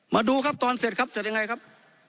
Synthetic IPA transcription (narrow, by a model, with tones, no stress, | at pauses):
maː˧duː˧kʰa˦˥p̚t̪ɔː˧nse˨˩t̪̚kʰa˦˥p̚se˨˩t̚ja˧ŋa˧jkʰa˦˥p̚